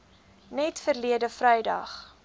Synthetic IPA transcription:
nɛtfərliədəfrɛjdɐ̰χ

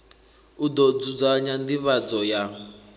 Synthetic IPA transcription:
ud̪ɔd͡zud͡zaɲand̪iβad͡zɔja

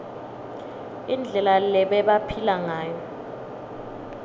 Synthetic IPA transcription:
ind͡ɮʱɛlalɛɓɛɓapʰilaŋaːjɔ

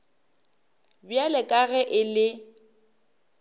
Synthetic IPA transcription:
bjalɛkʼaɣɛʔɪlɪ

